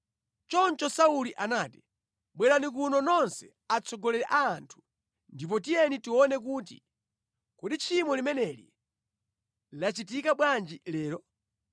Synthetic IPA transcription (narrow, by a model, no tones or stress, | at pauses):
t͡ʃɔnt͡ʃɔsauliʔanaːti | ɓwɛɾanik̬unɔnɔnsɛ̰ | at͡sʰɔɡɔlɛɾɛʔaːntʰu̥ | ndip̬ɔt̬ijɛnitiwɔnɛk̬uːt̬ḭ | kuɗit͡ʃʰimɔlimɛnɛlḭ | lat͡ʃit̬ikaɓwand͡ʒilɛːɾɔ